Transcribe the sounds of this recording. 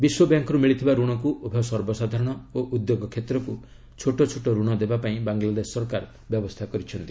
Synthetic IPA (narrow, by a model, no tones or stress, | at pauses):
biswɔbjaŋkɔɾumiɭit̪ʰibaɾuɽ̃ɔkuʔobʱɔsɔɾbɔsad̪ʱaɾɔɽ̃ɔoʔud̪joɡɔkʰet̪ɾɔku | t͡ʃʰoʈɔt͡ʃʰoʈɔɾuɽ̃ɔd̪ebapaĩbaŋɡlad̪esːɔɾɔkaɾ | bjɔbɔst̪ʰakɔɾit͡ʃʰɔnt̪i